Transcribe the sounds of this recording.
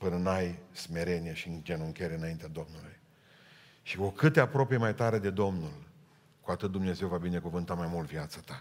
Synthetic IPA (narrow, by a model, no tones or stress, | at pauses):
pɨnɨnajsme̞ɾe̞nijeʃind͡ʒenuŋkʲeɾeɨnaint̪ead̪o̞mnuluj | ʃiokɨt̪eapɾo̞pejemajt̪aɾe̞d̪e̞d̪o̞mnul | kuat̪ɨt̪̚d̪umne̞ze̞wvabine̞kuvɨnt̪amajmult̪viat̪sət̪a